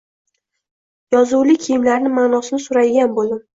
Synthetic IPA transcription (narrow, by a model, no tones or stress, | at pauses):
jɒzuwlɪkʲʰijɪmlaɾnɪmanɒsɪnɪsʊɾad̪ɪɡʲanbolˠd̪ɪm